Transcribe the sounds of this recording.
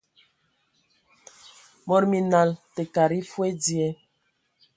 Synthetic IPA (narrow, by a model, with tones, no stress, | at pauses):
mɔ˦ɾmi˨na˨lte˨ka˨ɾi˦fwe˦di˦ɛ˦